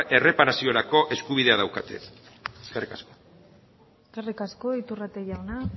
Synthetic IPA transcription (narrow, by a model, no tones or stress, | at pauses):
ʔe̞re̞paɾasioɾako̞ʔe̞skuβ̞iðe̞aðawkat̪e̞̰ | ɡarikasko | sɡarikasko̞it̪urat̪eʝawna